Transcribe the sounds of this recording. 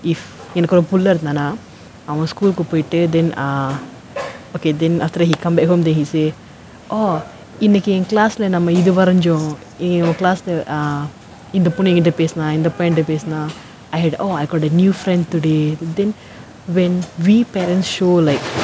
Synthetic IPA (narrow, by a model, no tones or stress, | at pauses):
if | ŋɛnɐkːɔɾopulːɐɾt̪aːnaː | ɐʋɐ̃skuːlkupoːjiʈːɨd̪ɛnː | oːkeːd̪ɛnɐft̪ɐɾɐɦiːkɐ̃mbeɦoːmd̪enɦiːseː | oː | inːɐkːiẽnklaːslenɐmːɐid̪uʋɐɾɐɲd͡ʒõ | ɐmːɐklaːsleʔ | ind̪ɐpunẽŋɡiʈepeːsnaːĩnd̪ɐpɔjɳʈepeːsnaː | ajɦɛɖoːajkɔːɖɐnjuːfɾɛ̃ɳɖt̪uɖed̪ɛ̃n | ʋɛnʋiːpeːɾɛ̃nʈsʃoːlaɪk